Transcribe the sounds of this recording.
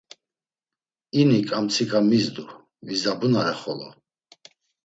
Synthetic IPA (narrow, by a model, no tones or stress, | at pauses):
inikʼamt̪t͡sʰikʼamizd̪u | vizabunaɾɛχɔlɔ̰